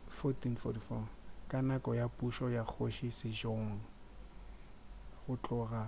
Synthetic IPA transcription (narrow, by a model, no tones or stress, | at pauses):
fɔtinfɔtifɔkʼanakʼɔjapʼuʃɔjak͡xʰoʃisɪd͡ʒoŋ̩ | χʊt͡ɬʼʊːɣa